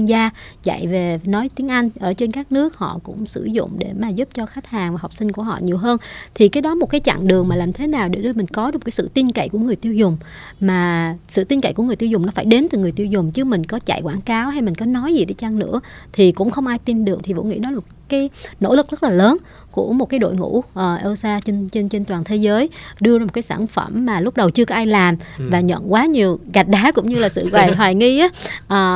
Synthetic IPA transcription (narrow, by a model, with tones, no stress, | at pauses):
i˧nzaː˧t͡ɕa̰˧˨jve˨˩nɔ˨˦jt̪i˨˦əŋʔa˧jŋ̟ʔəː˧˩t͡ɕe˧nkaː˦˥k̚nɨ˦˥ək̚hɔ̰˧˨kʊ̰˧˥ŋ͡msɨ̰˧˩zʊ̰˧˨ŋ͡mɗe˧˩maː˨˩zu˦˥p̚t͡ɕɔ˧xaː˨˦t̚haː˨˩ŋva˨˩ha˨˩wk͡p̚sï˧ŋ̟ku˧˩əɦɔ̰˧˨ɲi˨˩əwɦəː˧nt̪ʰi˨˩kaː˨˦jɗɔ˨˦mo˨˩t̚kaː˨˦jt͡ɕa̰˧˨ŋɗɨ˨˩əŋmaː˨˩laː˨˩mt̪ʰe˨˦naː˨˩wɗe˧˩ɗɨ˧jmï˨˩ŋ̟kɔ˨˦ɗ̚kaː˨˦jsɨ̰˧˨t̪i˧nkə̰˧˨jku˧˩əŋ˨˩əjt̪i˧əwzʊ˨˩ŋ͡m | maː˨˩sɨ̰˧˨t̪i˧nkə̰˧˨ku˧˩ŋ˨˩jt̪i˧wzʊ˨˩ŋ͡mnɔ˨˦faː˧˩jɗe˨˦nt̪ɨ˨˩ŋɨ˨˩əjt̪i˧wzʊ˨˩ŋ͡mt͡ɕɨ˨˦˥mï˨˩ŋ̟kɔ˨˦t͡ɕa̰˧˨jkwaː˧˩nkaː˨˦wha˧jmï˨˩ŋ̟kɔ˨˦nɔ˨˦jzi˨˩ɗe˧˦t͡ɕa˧ŋnɨ̰˧˥ət̪ʰi˨˩kʊ̰˧˥ŋ͡mxə˧wŋ͡mʔaː˧jt̪i˧nɗɨ˨˩ək̚t̪ʰi˨˩vṵ˧˥wŋḭ˧˥˦nɔ˨˦la˨mo˨˩t̚kaː˨˦jno̰˧˥lɨ˨˩k̚zə˦˥t̚laː˨˩ləː˨˦n | ku˧˩əmo˨˩t̚kaː˨˦jɗo̰˧˨jŋṵ˧˥ʔəː˨˩ʔo˧saː˧t͡ɕe˧nt͡ɕe˧nt͡ɕe˧nt̪waː˨˩nt̪ʰe˨˦zəː˨˦jɗɨ˧ə˧zaː˧o˨˩t̚kːaː˨˦jsaː˧˩nfə˧˩mːaː˨˩lʊ˦˥k͡p̚ɗə˨˩wt͡ɕɨ˧əkɔ˨˦ʔaː˧jlaː˨˩mvaː˨˩ɲə̰˧˨nkwaː˨˦ɲi˨˩əwɣa˨˩jk̟̚ɗaː˨˦kʊ̰˧˥ŋ͡mɲɨ˧laː˨˩sɨ̰˧˨ɣwaː˨˩jɦwaː˨˩jŋi˧ʔːʔəː˨˩